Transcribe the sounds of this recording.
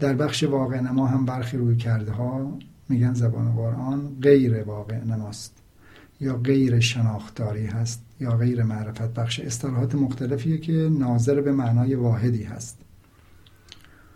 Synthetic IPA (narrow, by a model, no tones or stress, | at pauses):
d̪̥æɾbæχʃevɒːɣeʔnæmɒːɦæmbæɾxiːɾuːjcʰæɾd̪ɦɒːmiːɟænzæbɒ̰ːneɣoɾʔɒːnɣe̞jɾevɒːɣe̞ʔnæmɒːst̪ | jɒːɣejɾeʃenɒːxt̪ɒːɾiːɦæst̪jɒːɣe̞jɾemæʔɾefæt̪̚bæxʃeest̪elɒːɦɒːt̪ʰemoxt̪ʰælefiːjecʰenɒːzeɾbemæʔnɒːjevɒːɦe̞d̪iːhæ̰st̪